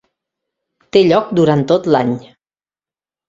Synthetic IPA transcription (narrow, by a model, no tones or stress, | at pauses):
t̪eʎɔk̚d̪uɾant̪ːot̪laɲ